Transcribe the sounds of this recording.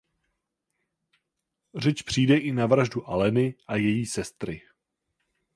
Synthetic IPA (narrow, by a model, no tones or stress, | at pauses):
r̝ɛt͡ʃpr̝̥iːdɛʔɪnavɾaʒduʔalɛnɪʔajɛjiːsɛst̪ɾɪ